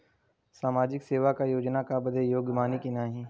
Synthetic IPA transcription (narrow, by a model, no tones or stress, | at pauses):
saːmaːd͡ʒɪkseːʋakajoːd͡ʒnakabəd̪ejoːɡjmaːnikinaːɦĩː